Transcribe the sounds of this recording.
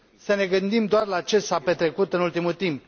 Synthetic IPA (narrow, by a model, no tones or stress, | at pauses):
səne̞ɡɨnd̪imd̪oarlat͡ʃe̞sape̞t̪ɾe̞kut̪ɨnult̪imult̪imp